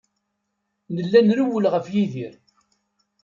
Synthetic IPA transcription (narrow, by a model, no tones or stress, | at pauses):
nəlːænɾuwəlʁəfjiðiɾ